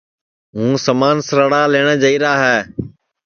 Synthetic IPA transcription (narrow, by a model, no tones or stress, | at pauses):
ɦũːsəmaːnsəɾəɽaːleːɽ̃əːd͡ʒəiːɾaːɦɛː